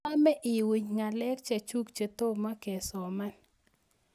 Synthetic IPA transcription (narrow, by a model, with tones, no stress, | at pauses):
a˦mɛ˦ʔɪ˨wi˨ɲŋa˨lɛ˦kt͡ʃa˨t͡ʃu˦kt͡ʃe˨t̪o˦ma˦ke˨sɔ˨ma˦n